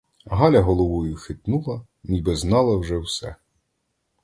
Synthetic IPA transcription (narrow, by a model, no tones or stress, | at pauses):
ɦɑlʲɐɦɔlˠɔʋʊjʊxɪt̪nulˠɐ | nʲibɛznɑlˠɐwʒɛwsɛ